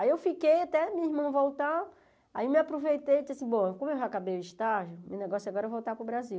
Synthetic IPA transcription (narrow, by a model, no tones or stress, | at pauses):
aiewfikejat̪ɛmĩɐiɦmɐ̃w̃vowt̪a | aimɪapɾovejt̪ejd͡ʒasĩboɐkõmʊewʒakabejʊiʃt̪aʒʊmewneɡɔsʊaɡɔɾɐevowt̪apɾʊbɾaziw